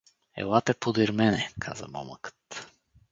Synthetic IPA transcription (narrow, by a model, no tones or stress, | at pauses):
ɛ̰lat̪ɛpod̪iɾmɛnɛkʰa̰zə̰mɔ̰məkə̥t̪